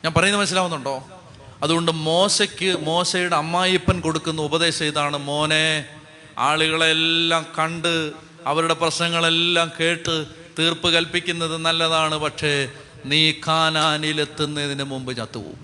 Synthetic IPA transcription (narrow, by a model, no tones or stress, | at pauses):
ɲaːnpɐrɐjunːɐmɐnɐs̬ilaːʋunːuɳɖo̞ː | ɐðuɣo̞ɳɖɨmo̞ːɕɐkʲːɨmo̞ːsɐjuɽeɐmːaːjipːɐnko̞ɽukːunːɐubɐðe̞ːɕɐjt̪aːɳɨmo̞ːne | a̰ːɭuɣɐɭelːaːmkɐɳɖɨ | ɐʋɐɾuɽe̞prɐɕnɐŋːɐɭe̞lːaːmke̞ːʈːɨ | t̪iːrpɨkɐlpikʲːunːɐðɨnɐlːɐðaːɳɨpɐkʂe̞ | niːkʰaːnaːnile̞t̪ːunːɐiðinɨmumbɨt͡ɕaːt̪ːṵʋṵm